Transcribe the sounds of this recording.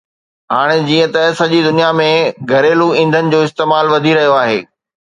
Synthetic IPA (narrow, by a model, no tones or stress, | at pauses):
ɦaːɽ̃ed͡ʑiːə̃t̪ɐsɐʄid̪ʊnijamẽɡʱɐɾeːluĩːnd̪ʱənɪ̆d͡ʑoːɪst̪eːmaːlʋɐd̪ʱiɾɐɦijoaːɦḛː